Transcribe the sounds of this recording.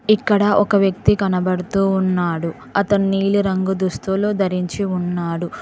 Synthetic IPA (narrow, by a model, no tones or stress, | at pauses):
ikːɐɽɐʔɔkɐʋjɐk̚t̪ikɐnɐbɐɽut̪uːunːaːɽu | ɐt̪ɐnːiːluɾɐŋɡud̪ust̪uloːd̪ɐɾiɲt͡ʃiunːaːɽu